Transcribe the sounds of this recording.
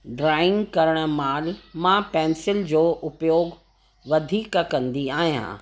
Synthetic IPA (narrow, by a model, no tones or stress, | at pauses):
ɖɾaːɪ̃ŋɡkɐɾəɽ̃maːlmãpɛ̃ːnsɪld͡ʑoːʔʊpjoːɡ | ʋɐd̪ʱiːkkɐ̃nd̪iaːɦijã̰ː